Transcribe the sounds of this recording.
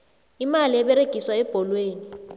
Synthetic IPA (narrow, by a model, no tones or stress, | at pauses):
imaliɛɓɛɾeɡ̥ʱiswaɛb̥ʱɔlweːni